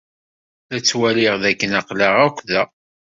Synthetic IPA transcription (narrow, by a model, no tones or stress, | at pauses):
θæt͡sːwæliʁðækːənɑqlaʁækʷːðæ